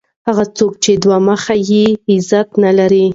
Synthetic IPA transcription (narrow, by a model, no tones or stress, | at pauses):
haɣat͡sok̚t͡ʃed̪wɑməxajiɪzat̪nalaɾi